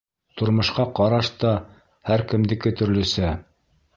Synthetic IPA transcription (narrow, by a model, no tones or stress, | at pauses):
t̪ŏɾmɤ̆ʃqɑqɑɾɑʃt̪ɑ | hæɾkɘ̆md̪ɘ̆kɘt̪ɵ̆ɾlɵ̆sæ